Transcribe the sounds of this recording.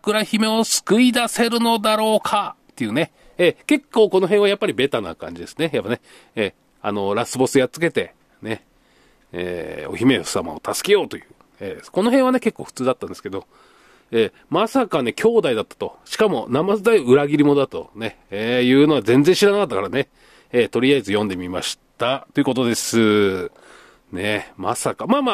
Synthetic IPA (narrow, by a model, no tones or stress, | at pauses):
kɯ̟ɾaçime̞o̞sɨ̥kɯ̟id̪ase̞ɾɯ̟no̞d̪aɾo̞ːkʰat̪ːe̞jiɯ̟ːne̞ | eke̞kːo̞ːko̞no̞ɦẽɰ̃ajapːaɾʲibe̞t̪ana̰kã̰ɲ̟d͡ʑid̪e̞sɨ̥ne̞japːane̞ | e | a̰no̞ɾasɨbo̞sɨjat͡sɨ̥ke̞t̪e̞ | ne̞ | ḛːo̞̰çime̞osama̰o̰t̪asɨ̥ke̞jo̞ːt̪o̞jɯ̟̰ː | eːko̞no̞ɦẽɰ̃βane̞ke̞kːo̞ːɸɯ̥t͡sɨːd̪at̪ːãnd̪eske̞d̪o̞ | eː | masakane̞kʲo̞ːd̪aid̪at̪ːḁt̪o̞̰ɕi̥kamo̞̰namazɨd̪aiɯ̟ɾaɡʲiɾʲimo̞d̪at̪o̞̰ne̞ | eːjɯ̟ːno̞βazẽ̞nd͡zẽɕiɾanakat̪ːakaɾane̞ | et̪o̞ɾʲijaizɨjõ̞nd̪e̞mʲima̰ɕi̥t̪at̪o̞jiɯ̟kot̪o̞d̪e̞sɨ | ne̞masakamaːma